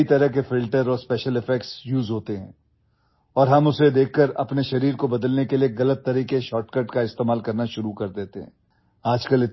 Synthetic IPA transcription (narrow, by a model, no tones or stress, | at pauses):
it̪ɐɾəɦkefɪlʈəɾɔːɾspɛːʃəlɪfɛkʈsjuːzɦoːt̪eɦɛ̃ː | ɔːɾɦɐmʊsed̪eːkʰːəɾɐ̰pneʃɐɾiːɾkobɐd̪əlnekelieɣɐlət̪ːɐɾiːkeʃɔːʈkəʈkaɪst̪eːmaːlkɐɾnaʃʊɾukɐɾd̪eːt̪eɦɛ̰̃ː | aːd͡ʒkəlɪt̪̚